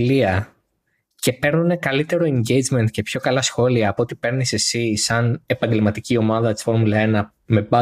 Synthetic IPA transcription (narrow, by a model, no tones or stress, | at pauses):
liɐ | ce̞pe̞ɾnune̞kɐlit̪e̞ɾo̞e̞ɲɟe̞jd͡zme̞nt̪̚ce̞pço̞kɐlɐsxo̞liɐːpoot̪ipe̞ɾnise̞sisɐne̞pɐɲɟe̞lmɐt̪icio̞mɐðɐt̪isfo̞ɾmulɐenɐ | me̞bɐ